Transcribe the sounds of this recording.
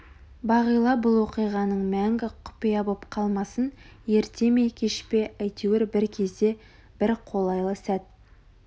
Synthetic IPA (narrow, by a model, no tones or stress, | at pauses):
bɑʁəjlˠɑbʊlˠwo̞qijʁɑnəɴmæŋɡʲɪqʰʊ̥pɪjɑbəpqʰɑlˠmɑsənje̞ɾt̪e̞me̞jkʲʰe̞ʃpe̞æjt̪eweɾbɪɾkʲʰe̞zd̪e̞ | b̥ɪɾqʰo̞lˠɑjlˠəsæt̪̚